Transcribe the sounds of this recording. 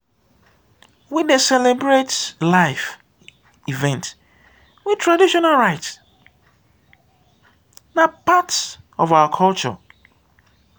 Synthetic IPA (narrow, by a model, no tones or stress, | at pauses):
widesɛlɛbɹetlaɪf | ivɛ̃nt | witʰɹadiʃɔnalɹaɪt | napats | ɔvaʊakʰɔlt͡ʃɔ̰